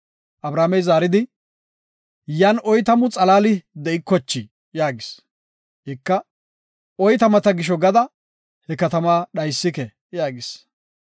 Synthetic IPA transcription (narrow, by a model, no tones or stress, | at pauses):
ʔɐbɾaːmɛjzaːɾɪd̪ɪ | janʔɔjt̪ɐmʊt͡sʼɐlaːlɪd̪ɛɪkːɔt͡ʃːɪ | jaːɡɪs | hɪkːɐ | ʔɔjt̪ɐmɐt̪ɐɡɪʃ̬ɔɡɐd̪ɐ | hɛkɐt̪ɐmaːɗɐjsːɪkɛ | jaːɡɪs